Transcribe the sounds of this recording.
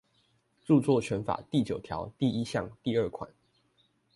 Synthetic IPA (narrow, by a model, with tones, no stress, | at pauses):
ʈ͡ʂu˥˧t͡swɔ˥˨t͡ɕʰɥɛ˨˦nfa̰˨˩t̪i˥˩t͡ɕjo˨˩ʊt̪ʰjɑ̰˧˦ʊt̪i˥˨i˦ɕjɑ˥˨ŋt̪i˥˧ə˥˨kʰwa̰˨˩˦n